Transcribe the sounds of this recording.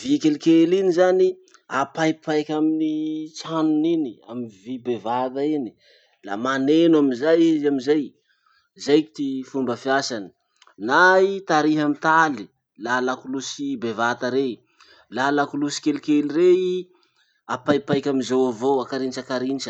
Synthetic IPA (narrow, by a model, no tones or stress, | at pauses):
vikelikelinizani | apajpʰajkʲaminit͡sanuninia̰minvibevat̪aini | la̰manenuaminzajizamizaj | zajki̥t̪ifumbəfiasani̥ | nait̪aɾiɦamit̪ali | lalakulusibevat̪aɾei | lalakulusi̥kelikeliɾei | apajpajkʲaminzawavoakaɾint͡ʃakaɾint͡ʃə̥